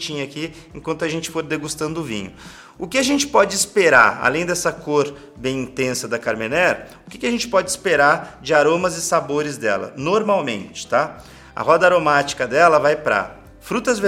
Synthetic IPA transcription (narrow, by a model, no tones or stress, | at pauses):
t͡ʃĩɲɐakiẽkwɐ̃nt̪ʊɐʒẽnt͡ʃɪ̥foɾd̪eɡust̪ɐ̃nd̪ʊʊvḭ̃ɲʊ̰ | ʊkɪaʒẽnt͡ʃɪ̥pɔd͡ʒɪispeɾa̰ɾa̰lẽj̃d̪ɛsɐkoɾ | bẽj̃ĩt̪ẽsɐd̪ɐkaɾmenɛɾʊkɪkɪaʒẽnt͡ʃɪ̥pɔd͡ʒɪspeɾaɾd͡ʒɪaɾõmɐzɪsaboɾɪzd̪ɛ̰lɐ̰noɾmawmḛ̃nt͡ʃɪ̥t̪a | ɐ̰hɔd̪ɐaɾomat͡ʃi̥kɐd̪ɛlɐvajpɾa̰ | fɾut̪ɐzve